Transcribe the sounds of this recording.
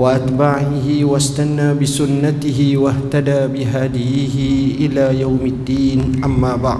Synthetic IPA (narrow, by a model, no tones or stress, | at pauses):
waʔat̪baʕiɦiwast̪anːaːbisunːat̪ɪɦiwaht̪adaːbiɦad̪ijɦiʔilaːjawmad̪ːiːnʔamːaːba̰ʕ